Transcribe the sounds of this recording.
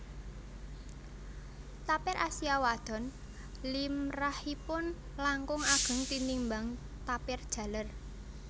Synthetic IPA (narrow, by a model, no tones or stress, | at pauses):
t̪apɪɾʔasiawad̪̥ɔ̤n | limrahipʊn | laŋkʊŋaɡ̥ə̤ŋt̪inimbaŋ | t̪apɪrd̥ʒ̥ä̤lər